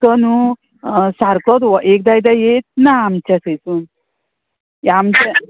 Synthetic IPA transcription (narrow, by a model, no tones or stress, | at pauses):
tɔnu | saɾkɔd̪wɔʔek̚d̪ajd̪ajet̪̚naːmt͡ʃasəjsun | amt͡ɕa